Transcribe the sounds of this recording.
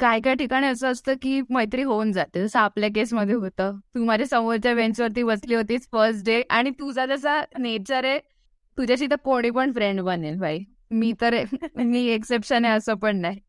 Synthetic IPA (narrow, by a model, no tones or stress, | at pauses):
kajkajʈikaɽ̃iəsəəst̪əːkiːməjt̪ɾiːɦound͡zat̪əd͡zəsəapljak̬es̬məd̪ʱːjeɦot̪əːt̪uːməd͡ʑʱasəmoɾt͡ɕjaʋent͡ɕʋəɾt̪̬iːbəsliːɦot̪iːt͡sfəɾsʈɖeaɽ̃it̪ud͡zʱad͡zəs̬anet͡ɕəɾe | t̪ud͡ʑaɕ̬iːt̪əkoɽ̃ipəɳfɾeɳɖbənelbʱai | miːt̪əɾmiːeksepɕənɦeəsəːpəɳnaɦ